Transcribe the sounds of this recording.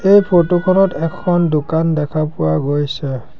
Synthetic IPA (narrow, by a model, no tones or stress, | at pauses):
ejpʰotukʰɔnɔtɛkʰɔndokandɛkʰapʊwaɡojsɛ